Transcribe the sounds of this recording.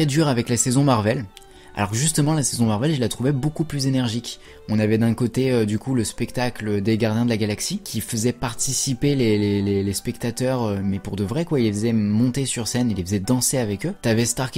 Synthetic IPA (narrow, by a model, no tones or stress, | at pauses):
χɛd̪yʁavɛklasɛzɔ̃maʁvɛl | a̰lɔʁʒyst̪əmɑ̃lasɛzɔ̃maʁvɛlilːat̪χuvɛbokuplyzenɛʁʒikʲ | ɔ̃navɛd̪ɛ̃kot̪eød̪ykuləspɛkt̪akləd̪eɡaʁd̪jɛ̃d̪əlaɡalaksikʲʰifəzɛpaʁt̪isipelelelelespɛkt̪at̪œʁømɛpuʁd̪əvʁɛkwailːefəzɛmɔ̃t̪esyʁsɛnelːefəzɛd̪ɑ̃seavɛkøt̪yavɛst̪aʁkʲ